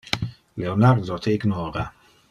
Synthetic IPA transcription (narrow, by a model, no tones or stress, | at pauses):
leonard̪ɔt̪ʰeiɡnɔːɾa